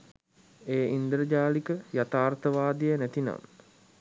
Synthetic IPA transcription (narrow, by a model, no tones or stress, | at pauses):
eːind̪əɾəd͡ʒaːlikəjat̪aːrt̪əʋaːd̪ijənæt̪ina̰m